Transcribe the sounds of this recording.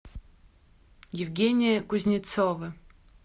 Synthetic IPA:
jɪvɡʲenʲijɐkʼʊzʲnʲit͡sovɨ

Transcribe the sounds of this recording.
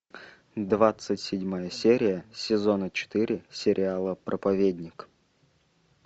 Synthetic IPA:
d̪vat̪sɨtʲsʲɪdʲmajəsʲeɾʲɪjəsʲɪzonət͡ɕɪ̥t̪ɨɾʲɪsʲɪɾʲɪalˠəpɾʔəpɐvʲedʲnʲɪk

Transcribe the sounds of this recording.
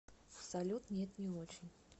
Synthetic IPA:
psɐlʲut̪nʲet̪nʲɪot͡ɕɪnʲ

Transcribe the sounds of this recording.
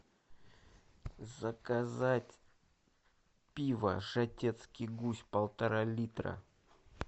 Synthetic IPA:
zəkazatʲ | pʲivə̰ʐɐtʲet̪skʲɪjɡusʲpəlˠt̪ɐɾalʲit̪ɾə̰

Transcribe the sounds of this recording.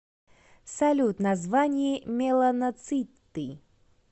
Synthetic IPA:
sɐlʲut̪nɐzvanʲɪjɪmʲelˠənɐt̪sɨt̪ːɨ

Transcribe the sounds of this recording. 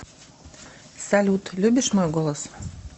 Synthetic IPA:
salʲut̪lʲybʲiʃmojɡolˠos

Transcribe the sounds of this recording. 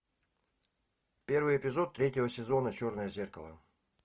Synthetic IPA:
pʲe̞rvɨjɪpʲɪzo̞t̪ːɾʲetʲːɪvəsʲɪzo̞nət͡ɕo̞rnəjəzʲerkəlˠə̰

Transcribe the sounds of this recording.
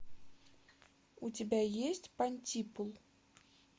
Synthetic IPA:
ut͡sʲabʲajesʲt͡sʲpanʲt͡sʲipulˠ

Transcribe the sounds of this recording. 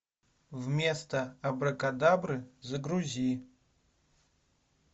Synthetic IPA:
vmʲest̪ʰɐɐbrɐkʼad̪abrɨzɐɡruzʲi

